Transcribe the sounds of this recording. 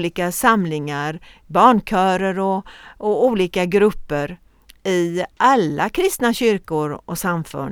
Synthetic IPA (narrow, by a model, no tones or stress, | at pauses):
liːkasamlɪŋaɾ | bɑːɳkʰœːɾəɾɔʔɔuːliːkaɡɾɵpːəɾ | ɪʔalːa̰kʰɾɪst̪naɕʏɾkʊɾɔsamfɵ̰n